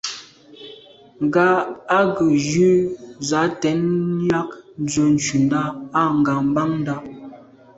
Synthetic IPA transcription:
ŋ˨ɡa˦a˦ɡə˨jʉ˦za˨˦tɛ˨˦nja˦kn˦d͡zə˨n̩˨t͡ʃʉ˨nda˦a˦˨ŋ̩˨ɡa˨m̩˦ba˦ŋn˦da˦˨

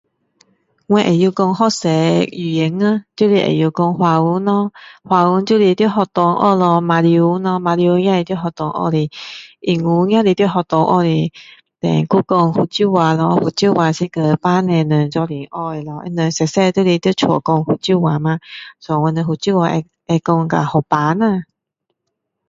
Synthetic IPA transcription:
ŋwɛ̃˧ʔḛ˨˩ju˧kɔ˧ŋhɔ˦˧sɛ˨˦i˨˩ɛ˨˦ŋa˧t̪ju˦li˧ʔḛ˨˩ju˧kɔ˧ŋhwa˨u˧˦nɔ˧hwa˨u˧˦ntju˦˨li˧t̪ji˥˧˦ɦɔ˧t̪ɔ˧ŋʔɔ̰˧lɔ˧mã˨˧liu˧˦nɔ̃˧mã˨˧lju˧˦jã˦li˧t̪jo˧˥˦ɦɔ˧˨t̪ɔ˧ŋʔɔ̰˧li˧i˨˩ŋu˧˦ŋj̃ã˦li˧t̪ji˥˦ɦɔ˧˨t̪ɔ˧ŋʔɔ̰˧li˧˩ | t̪ɛ̰˨˩ŋku˦kɔ˧ŋhu˧˩t͡ɕju˥˧wa˨˩lɔ˧hu˨˩t͡ɕju˥˧˨wa˨˩si˧kə˧˩pa˦nɛ̃˨˧˨nə̃˨˩ŋt͡sɔ˧li˨˩ŋʔɔ˧e˨˧la˨˩ʔɛ̰˧nə̃˨˧˨sɛ˨˩sɛ˥˧t̪ju˥˦li˧˩t̪ji˧t͡ɕʰɔ̰˨kɔ˧ŋhu˨˩t͡ɕju˥˧˨wa˨mã˧˦sɔ˨ŋwa˧nə̃˧hu˨˩t͡ɕju˥˧wa˧ʔɛ˧ | e˧kɔ˧ŋ˧ka̰˨hɔ˨˩pa˨˦nã˧˨

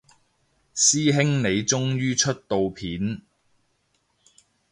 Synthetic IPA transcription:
siː˥ɦɪ˥ŋne˨˧jt͡sʊ˥ŋjyː˥t͡ʃʰɵ˥t̚t̪o˨wpʰiː˨˥n

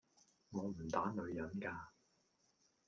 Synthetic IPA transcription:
ŋɔː˨˧m̩˨˩t̪aː˨˥nɵ˨˧ɥjɐ˨˥nkaː˧

